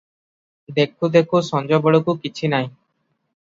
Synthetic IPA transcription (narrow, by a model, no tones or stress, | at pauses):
d̪ekʰːud̪ekʰusɔnd͡ʒɔbɔɭokukit͡ɕʰinaj